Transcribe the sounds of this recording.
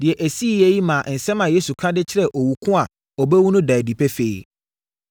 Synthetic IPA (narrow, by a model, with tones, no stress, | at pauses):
dɪ˨ɛ˨ʔæ˨si˦˨jɛ˦ji˦mã˨ʔn̩˨sɛ̃˦mã˨je˦su˨kʰã˦dɪ˦t͡ɕʰɪ˦ɾɛ˦˨ʔɔ˨wu˨kʰʊ̃˦a˨ | ɔ˨bɛ˦wu˦nʊ̃˦da˨di˨pʰɛ˦fe˨ḭ˨